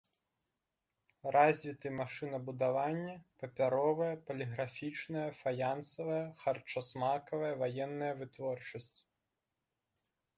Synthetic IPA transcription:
razʲʋʲit̪ɪmaʂɨnɐbʊd̪aʋanʲːɐpɐpʲaɾɔʋɐjɛpɐlʲiɣɾafʲit͡ʃnɐjɛfɐjansɔʋɐjɛxɐrt͡ʃɔsmakɔʋɛjɛʋɐjɛnːɐjɐʋɪt̪ʋɔrt͡ʃɐsʲtʲ

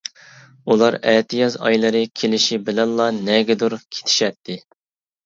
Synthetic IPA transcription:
ulˠɑɾɛt̪ʰɨjɑzɑ̰jlˠɨɾɨkʲʰelɪʃibɪlɛnlˠɑnɛɡʲɛd̪uɾkʲʰe̥t̪ʰɪ̥ʃɛt̪ʰːɪ

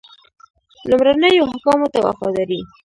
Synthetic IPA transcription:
lʊmɾanəjoɦakɑmot̪awa̰fɑ̰d̪ɑɾi

